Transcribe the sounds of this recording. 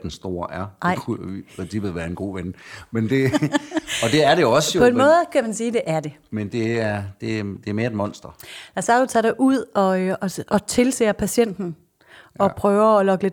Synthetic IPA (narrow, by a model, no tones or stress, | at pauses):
d̥ensd̥o̝ːɐʔæɐɪ̰uipʰʁɛnsib̥ð̩ˠʋæːɐe̝nɡ̥o̝̰ːʋenmend̥e̝ | ɒd̥e̝æɐɾeɒ̽səjoɒ̽e̝nmɔ̽ːð̩ˠkʰæmænsiːd̥e̝ʔæɐd̥e̝ | mend̥e̝æɐd̥e̝æd̥e̝æɐme̝ɐed̥mɒ̽n̰sd̥ɐj̥æsɑ̥ot͡sʰɑ̰d̥eʔuð̰ˠɒ̽ɒɒ̽t͡sʰe̝lse̝̰ːɐpʰæsen̰d̥n̩ | ɒ̽pʰʁœːʊɐɒlɒ̽ɡ̥əle̝d̥